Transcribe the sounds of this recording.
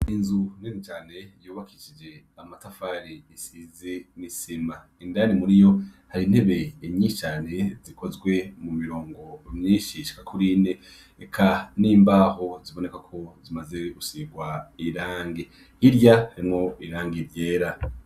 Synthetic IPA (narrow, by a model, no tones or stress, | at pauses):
inzun̥enit͡ʃaːne̞juːβakʰit͡ʃid͡ʒe̞ | amatafaɾiisizenisima | indanimuɾijo̞haɾiːnhe̞βe̞imɲiːʃt͡ʃaːne̞zikʰo̞zɡwe̞mumiɾoːŋɡo̞mɲiːʃiʃi̥kakuɾine | ekʰaniːmbaːho̞ziβo̞ne̞kakʰo̞zimaze̞ɡusiɡwaiɾaːŋɡi | iɾɟahaɾimŋo̞ʔiɾaːŋɡiɾje̞ːɾa